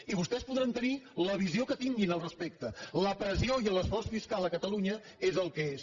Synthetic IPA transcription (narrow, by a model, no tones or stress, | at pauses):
iβust̪ɛspuðɾant̪əniləβ̞iziokət̪iŋɡinəlˠrəspek̚t̪ələpɾəzioiləsfɔrsfiskalˠəkət̪əluɲə | ezəlˠkes